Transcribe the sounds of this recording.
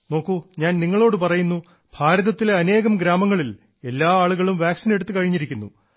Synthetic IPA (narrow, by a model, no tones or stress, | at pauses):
no̞ːkːuɲaːnniŋːɐɭo̞ːɽɨpɐrɐjunːu | bʱaːɾɐðɐt̪ːileɐne̞ːɣɐmɡɾaːmɐŋːɐɭil | e̞lːaːaːɭuɣɐɭumʋjaːksineɽut̪ːɨkɐɻiɲːiɾikʲːunːṵ